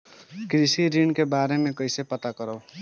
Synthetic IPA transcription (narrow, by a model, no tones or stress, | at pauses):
kɾisiɾinkebaɾemẽkʌjsepʌt̪akʌɾəʊ